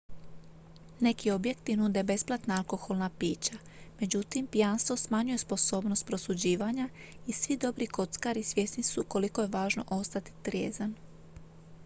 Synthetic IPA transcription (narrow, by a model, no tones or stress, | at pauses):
ne̞kio̞bje̞kt̪inuːd̪e̞be̞splˠat̪naalko̞xo̞lˠnapiːt͡ɕa | me̞d͡ʑut̪impijanst̪ʋo̞smaɲuje̞spo̞so̞ːbno̞st̪̚pɾo̞sud͡ʑiːʋaɲa | isʋid̪o̞bɾiko̞t̪skaɾisʋje̞snisuko̞liko̞je̞ʋaːʒno̞̰ʔo̞st̪at̪i̥t̪ɾjḛːzan